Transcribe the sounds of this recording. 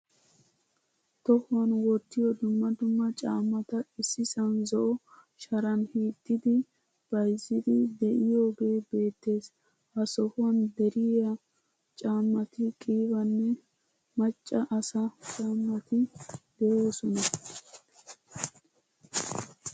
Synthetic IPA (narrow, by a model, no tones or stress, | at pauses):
t̪ɔhʊwɐnwɔt̪ːɪjɔd̪ʊmːɐd̪ʊmːɐt͡ʃʼaːmːɐt̪ɐɪsːɪsɐnzɔʔɔʃɐɾɐnhiːt̪ʼːɪd̪ɪ | b̥ɐjzːɪd̪ɪd̪ɛʔɪjobe̞ːbe̞ːt̪ːe̞ːs | ʔɐsɔhʊwɐnd̪ɛɾɪɐ | t͡ʃʼaːmːɐt̪ɪkʼiːbɐnːɛ | mɐt͡ʃʼːɐʔɐsɐt͡ʃʼaːmːɐt̪ɪd̪̥ɛjoːsɔnɐ